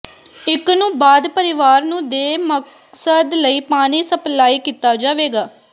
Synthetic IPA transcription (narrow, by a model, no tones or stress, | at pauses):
ɪknũːbaːd̪pəɾɪʋaːɾnũːd̪eːmək | səd̪ləiːpaːɽ̃iːsəplaːiːkiːt̪aːd͡ʒaːʋeːɡaː